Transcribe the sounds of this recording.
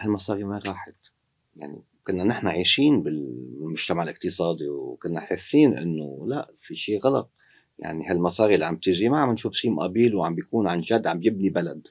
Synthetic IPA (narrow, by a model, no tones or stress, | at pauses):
halmɑsˤɑːɾimaɾɑːħɪt̪ | ja̰ʕnḭ | kʊnːanɪħnaʕiːʃiːnbɪlmʊʒ̥t̪amaʕlʔɪq̚t̪ɨsˤɑːd̪iwkʊnːaħɪsːiːnʔɪ̰nːo̰laʔfiʃiːɣɑlɑ̰t̪̚ˤ | ja̰ʕniɦalmɑsˤɑːɾiʔlːiʕa̰mb̚t̪ɪʒimaʕamɪnʃuːfʃiːmʔabiːlwʕambjakuːnʕanʒad̪ːʕambjɪbnibalad̪